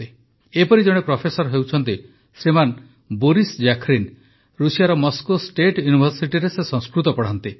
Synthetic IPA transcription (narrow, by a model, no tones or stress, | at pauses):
i | epɔɾid͡ʒɔɽ̃epɾɔpʰesɔɾɦewt͡ʃʰɔnt̪i | sɾiman | boɾisd͡ʒakʰɾin | ɾusijaɾɔmɔskosʈeʈjunibʱɔɾsiʈiɾesesɔ̃ŋ̃skɾut̪ɔpɔɽ̤ant̪i